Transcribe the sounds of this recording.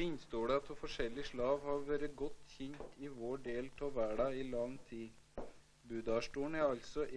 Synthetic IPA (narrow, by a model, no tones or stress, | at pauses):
ɪnst̪oːɽɛɑt̪ʰːuːfɔʂɛlːɪʂɭɑːʋhɑɾʋæːɾəɡɔt̪ːçɪnt̪ɪʋoːɖeːlt̪ʰɔʋæːɖɑːɪlɑŋt̪ʰiː | bʉːd̪ɑːʂʈuːn̩æɾɑlt̪sɔʔ